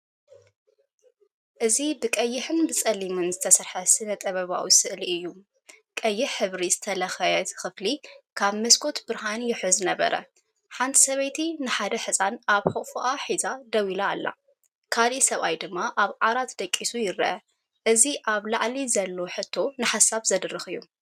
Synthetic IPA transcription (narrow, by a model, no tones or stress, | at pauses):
ʔɨzibɨkʼɐjːɪħɨnbɨt͡sʼɐlimɨnzɨt̪ʰɐsɐɾħɐsɨnɐt̪ʼɐβɐβa̰wisɨʔliʔɨjːu | kʼɐjːɪħħɨβɾizɨt̪ʰɐlɐxɐjɛt̪xɨflikʰaβmɐskʰo̞t̪bɨɾɦanjɪħɨzɨnɐβɐ̰ɾʔɐ̰ | ħant̪ʰi̥sɐβɐjt̪ʰinɨħad̪ɐħɨsʼanʔaβħoʔʼfuʔaħizad̪ɐwilaːlːa̰ | kʰalisɐβajd̪ɨmːaʔaβʕaɾat̪d̪ɐkʼːisujɪɾɐʔɐ | ʔɨziʔaβlaʕlizɐlːo̞ħɨt̪ʰːo̞nɨħasaβzɐd̪rɨxɨjːu